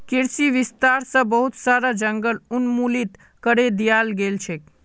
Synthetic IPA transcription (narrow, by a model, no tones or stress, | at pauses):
kiɾsiʋist̪aɾsə̃bəɦut̪saɾad͡ʒəŋɡəlunmulit̪ | kəɾed̪ijalɡelt͡ʃʰɛk